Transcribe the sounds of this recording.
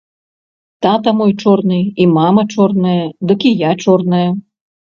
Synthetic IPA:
t̪at̪ɐmɔjt͡ʂɔrnɨimamɐt͡ʂɔrnɐjɐd̪ɔkʲijat͡ʂɔrnɐjɐ

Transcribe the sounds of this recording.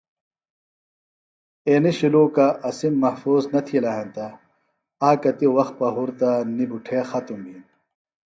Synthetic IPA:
eːniɕiluːkaʔɐsimːɐhfuːznɐt̪ʰilɐɦɐnt̪ɐ | aːkɐt̪iwɐx̚pɐɦuɾt̪anibuʈʰeːxɐt̪umbin

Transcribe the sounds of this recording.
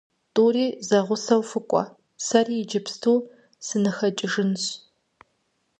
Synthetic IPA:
tʼuːriːzɐʁʷʊsɐwfɨkʷʼɔ̰ | sɐriːjɪd͡ʒɐpstʰuː | sɨnɨxɐt͡ʃʼɪʒɨnɕ

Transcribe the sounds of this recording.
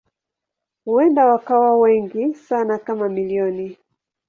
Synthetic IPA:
huɛndawakawawɛŋɡisanakamamiliɔni

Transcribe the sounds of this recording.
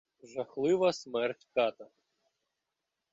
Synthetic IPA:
ʒɐxlˠɪʋɐsmɛrtʲkɑt̪ɐ

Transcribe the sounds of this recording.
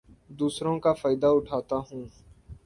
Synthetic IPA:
d̪uːsɾõkaːfaːɪd̪aːʊʈʰaːt̪aːɦũː

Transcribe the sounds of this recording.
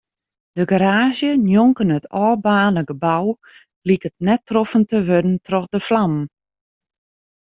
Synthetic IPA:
d̥əɡaɾaːʒjənjoŋkənətʰɔːbaːnəɡəbaw | likət̚nɛtrofəntəʋødən̩trɔxdəflam

